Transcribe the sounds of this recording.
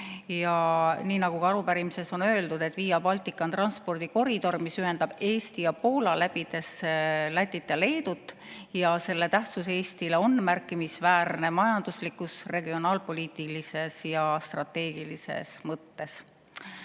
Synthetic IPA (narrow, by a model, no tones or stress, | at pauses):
jɑniːnɑɡ̥ukɑɑɾupæɾimise̞so̞nø̞eld̪ud̪e̞t̪ːˑviːjɑbɑlt̪ˑikːˑɑnt̪rɑnspo̞rd̪̥iko̞ɾid̪̥o̞rmisyɦe̞nd̪̥ɑb̥e̞ːst̪ijɑpo̞ːlɑlæb̥id̪̥e̞slæt̪ʲːˑit̪ːˑele̞ːd̪ut̪ːˑ | jɑse̞lːe̞t̪æht̪suse̞ːst̪ileo̞nmærkːˑimisvæːɾne̞mɑjɑnd̪̥uslikːˑusre̞ɡio̞nɑːlpo̞lʲiːt̪ilise̞sjɑst̪rɑt̪ːe̞ːɡ̥ilise̞̰smɤt̪ːe̞s